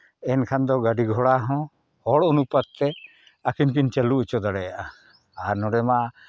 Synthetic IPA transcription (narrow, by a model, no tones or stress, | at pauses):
ɛnkʰand̪ɔɡaɖiɡʱɔɽaɦɔ̃ | hɔɽunupat̪̚t̪ɛ | akʰinkint͡ʃɛlut͡ʃɔd̪aɽɛjaʔaː | ɾnɔɽɛma